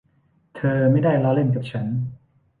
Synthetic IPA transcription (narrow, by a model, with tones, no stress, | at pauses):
t̪ʰɤː˧ma˥˩jdaː˥˩jla˦˥le˥˩nk̬aː˨˩p̚t͡ɕʰa˦˥n